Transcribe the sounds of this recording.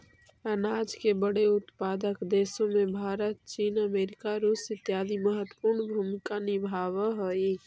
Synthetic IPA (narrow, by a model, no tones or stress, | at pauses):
ənaːd͡ʒkebəɽeʊt̪paːd̪əkd̪esõmebʱaːɾət̪̚t͡ʃiːnəmeːɾikaɾusɪt̪jaːd̪iməɦət̪ːwə̥puɾɳbʱumkanibʱaːʋəɦoi